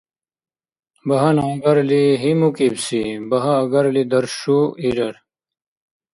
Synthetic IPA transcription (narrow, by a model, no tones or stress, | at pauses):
bɐɦɐnɐ̃ɡɐɾliɦimukibsibɐɦɐːɡɐɾlid̪ɐɾʂuiɾɐɾ